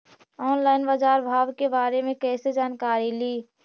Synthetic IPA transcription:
ɔːnlaːɪnbad͡ʒaːɾbʱaːʋkebaːɾemẽkɛːsed͡ʒaːnkaːɾiliː

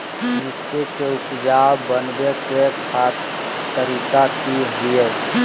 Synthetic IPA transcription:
ɾɪst̪ekeupd͡ʒawbənbekekʰat | t̪əɾikakiɦijət̪

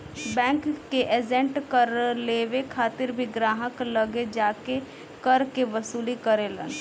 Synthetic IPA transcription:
bɛ̃ːŋkːeʔed͡ʒɛ̃ɳʈkəɾleːʋekʰaːt̪ɪɾbʱiɡɾaːɦəkləɡed͡ʒaːke | kəɾkeʋəsuːlikəɾeːlə̰n

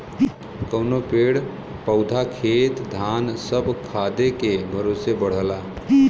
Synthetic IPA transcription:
kəʊnopeɽ | pəʊd̪ʱakʰeːt̪d̪ʱansəbʱkʰad̪ekebʱəɾosebəɽ̤əla

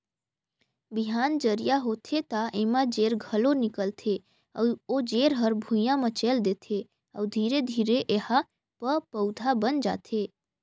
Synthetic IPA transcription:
biɦaːnd͡ʒəɾijaɦot̪ʰet̪aʔemãd͡ʒeːɾɡʱəlonɪkəlt̪ʰe | od͡ʒeːɾɦəɾbʱũjãmãt͡ʃeld̪et̪ʰe | ə̰ʋd̪ʱiːɾed̪ʱiːɾeʔeha | pəpəwd̪ʱabənd͡ʒa̰t̪ʰe

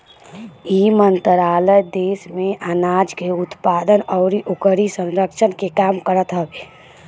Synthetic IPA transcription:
iːmənt̪ɾaːləjd̪eːsmẽʔənaːd͡ʒkeʊt̪paːd̪ənɔʊɾiʔʊkəɾisə̃nɾəkʃʰənkekaːmkəɾət̪ɦəbe

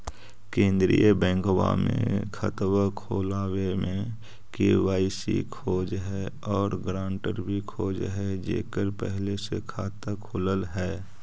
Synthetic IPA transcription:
kẽːnd̪ɾijəbɛ̃ːŋkwa̰mḛ̃kʰət̪wakʰoːlaːwemẽ | keʋaːisḭkʰoːd͡ʒɦɛ | ɔːɾɡɾãːɳʈəɾbʱikʰoːd͡ʒɦɛd͡ʒḛːkəɾpɛ̰ɦlesekʰaːt̪əkʰoːləlɦɛː

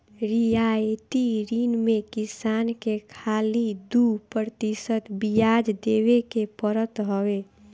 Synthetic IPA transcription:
ɾiajʈiɾinmẽkɪsaːnkekʰalid̪upɾəɾt̪isət̪bijad͡ʒd̪eʋekepəɾət̪ɦowe

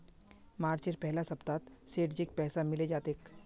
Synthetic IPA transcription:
maːɾt͡ʃeɾpɛɦlasɐpt̪aːt̪seːʈd͡ʒɪk̚pɛːsamɪled͡ʒaːt̪eːk

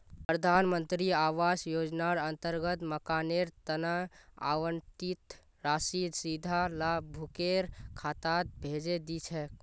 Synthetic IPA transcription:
pɾəd̪ʱanmənt̪ɾiaʋasjod͡ʒnaɾənt̪əɾɡət̪məkaneɾt̪ənaa̰wəntit̪ | ɾasid̪sid̪ʱalabʱukeɾkʰat̪at̪̚bʱed͡ʒed̪it͡ʃʰɛ

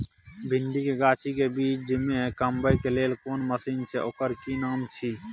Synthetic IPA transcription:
bʱɪnd̪ikeɡaːt͡ʃʰikebiːt͡ʃʰd͡ʒɪmẽkəmbəjkeleːlkoːnməsiːnt͡ʃʰeʔoːkəɾkinaːmt͡ʃʰiː

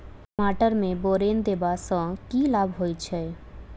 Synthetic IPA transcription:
kmaʈəɾmẽboɾend̪ebasə̃kilabʱɦojt͡ʃʰɛ

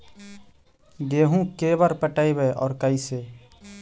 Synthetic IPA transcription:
ɡeːɦũkeːbəɾpəʈaːibeʔɔ̰ːɾkaiseː

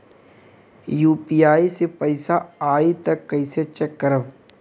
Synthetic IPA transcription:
juːpijaːisepəɪsaaːit̪ɐkːɐɪset͡ʃɐkːəɾəb

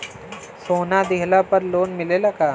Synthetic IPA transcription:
soːnad̪ɪɦlapɐɾloːnmɪlelakaː

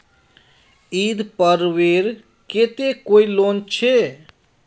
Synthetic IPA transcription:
id̪pəɾʋeɾ | ket̪ekoilont͡ʃʰe

